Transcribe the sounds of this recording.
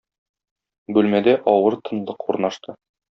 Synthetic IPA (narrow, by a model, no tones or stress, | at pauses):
bʉlmæd̪æʔɒwɤɾt̪ɤ̆nlˠɤqʰuɾnɑʃt̪ɤ